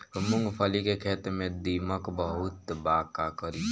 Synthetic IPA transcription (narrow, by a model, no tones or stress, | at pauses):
mʊ̃ŋɡpʰəlikekʰeːt̪mẽd̪iməkbəɦʊt̪baːkakəɾi